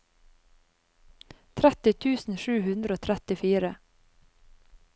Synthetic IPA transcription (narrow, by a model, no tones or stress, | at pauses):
t̪ʰɾɛt̪ɪt̪ʰʉːsn̩ʃʉːhʉnd̪ɾəoːt̪ʰɾɛt̪ɪfiːɾə